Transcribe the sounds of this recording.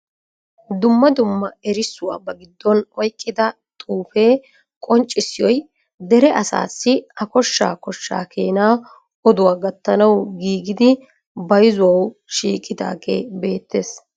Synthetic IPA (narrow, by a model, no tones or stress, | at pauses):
d̪ʊmːɐd̪ʊmːɐɛɾɪsːʊwa̰ːbɐɡɪd̪ːɔnɔjkʼːɪd̪ɐ | t̪ʼuːfe̞ː | kʼɔnt͡ʃʼːɪsɪjɔj | d̪ɛɾɛʔɐsa̰ːsːɪɐkɔʃːa̰ːkɔʃːa̰ːkʰeːnaː | ɔd̪ʊwaːɡɐt̪ːɐnɐwɡiːɡɪd̪ɪ | bɐjɪzʊwɐwʃiːkʼːɪd̪a̰ːɡḛːbe̞ːt̪ːeːs